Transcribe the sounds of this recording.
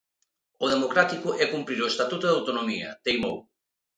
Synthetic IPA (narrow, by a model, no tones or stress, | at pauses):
oðemokɾat̪ikoʔɛkumpɾiɾoest̪at̪ut̪oðawt̪onomiɐ̰t̪ejmo̰w